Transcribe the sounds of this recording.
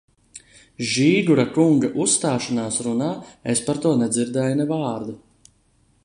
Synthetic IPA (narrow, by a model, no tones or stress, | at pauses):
ʒiːɡuɾakuŋɡaʔusːt̪aːʃanaːsɾunaːespaɾt̪uɔnɛd̪ziɾd̪ɛːjnɛvaːɾd̪u